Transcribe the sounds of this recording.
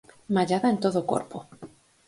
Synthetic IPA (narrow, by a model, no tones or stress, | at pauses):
maʎaðaent̪oðoko̰ɾpo